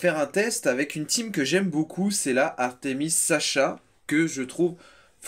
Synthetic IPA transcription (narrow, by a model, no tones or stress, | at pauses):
fɛʁɛ̃t̪ɛst̪avɛkynt̪imkəʒɛmbokʰusɛlaʔaʁt̪emisːaʃa | kəʒət̪χuv | f